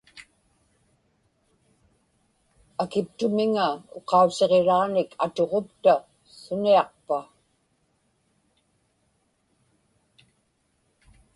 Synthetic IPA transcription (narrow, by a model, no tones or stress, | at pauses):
akɪpt̪ʊmɪŋao̞qɑuse̞ʁeɻɑːnɪkʰa̰t̪o̞ʁo̞pt̪a | sʊniɑq̚pa